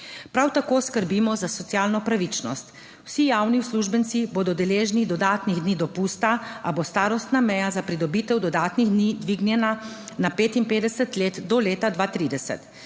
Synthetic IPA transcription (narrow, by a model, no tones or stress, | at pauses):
pɾawt̪akoːskəɾbimɔzasɔt̪sjaːlnɔpɾaʋit͡ʃnɔ̰st̪ | wsijawniwsluːʒbənt̪siboːd̪ɔd̪ɛleːʒnid̪ɔd̪aːt̪niɣd̪niːd̪ɔpuːst̪aabost̪aːɾɔst̪namɛjazapɾid̪ɔbiːt̪ɛwd̪ɔd̪aːt̪niɣd̪niːd̪ʋiːɡnjɛnanapeːt̪inpeːd̪ɛsət̪leːt̪d̪ɔleːt̪ad̪ʋaːt̪ɾiːd̪ɛsɛ̰t̪